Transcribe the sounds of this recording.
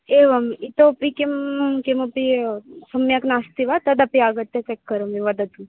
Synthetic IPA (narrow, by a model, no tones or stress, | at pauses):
eʋɐmit̪opikemkemopisɐmːjaknast̪iʋat̪ɐd̪ɐpiaɡɐt̪ːet͡ʃɛkːɐɾɐmiʋɐd̪ɐt̪um